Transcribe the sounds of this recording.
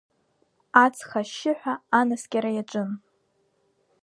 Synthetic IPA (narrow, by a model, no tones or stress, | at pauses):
at͡sʰχaʃːɪħʷᶣaːnasɡʲaɾajaʈ͡ʂʷʼɨn